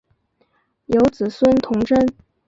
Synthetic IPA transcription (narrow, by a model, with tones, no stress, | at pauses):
jo˧˥ʊt͡sɹ̩˨˩swə˥nt̪ʰʊ˧˥ŋʈ͡ʂə˥n